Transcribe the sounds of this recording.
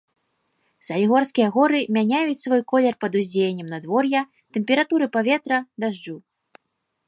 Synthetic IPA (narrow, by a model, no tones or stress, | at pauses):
zɐlʲiɣɔrskʲijɐɣɔɾɨmʲanʲajut͡sʲsvɔjkɔlʲɛrpɐd̪uzʲd͡zʲejnʲːɛmnɐd̪vɔrja | t̪ɛmʲpʲɛɾat̪uɾɨpavʲɛt̪ɾɐd̪aʐd͡ʐu